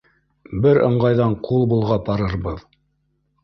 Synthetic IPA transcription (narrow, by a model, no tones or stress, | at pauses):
bɘɾɤ̰̆ɴɢɑjðɑɴqulˠbulˠʁɑpɑɾɤ̆ɾbɤð